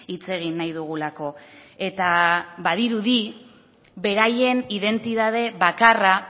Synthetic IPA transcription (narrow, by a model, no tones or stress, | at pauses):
it͡se̞ɣ̞inːajðuɣ̞ulako̞e̞t̪aβaðiɾuði | βe̞ɾaje̞niðe̞nt̪it̪að̞e̞βakara